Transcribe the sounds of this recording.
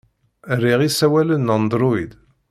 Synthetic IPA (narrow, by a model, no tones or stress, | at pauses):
ɾiʁisæwælənːɑnd̪ɾuid̪